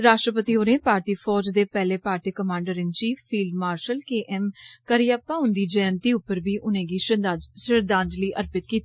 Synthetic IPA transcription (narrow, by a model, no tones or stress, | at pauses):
ɾaːʃʈɾəpət̪iːoːnẽːpaːɾt̪iːfʰɔːd͡ʒd̪eːpɛːleːpaːɾt̪iːkəmãːɳɖəɾɪnt͡ʃiːfːiːlɖmaːɾʃəlkeːʔɛːmkəɾijaːpaːʊ̃nd̪iːd͡ʒɛːnt̪iːʊpːəɾbiːʔʊnẽːɡiːʃɪɾd̪ãːnd͡ʒliːʔəɾpɪt̪̚kiːt̪i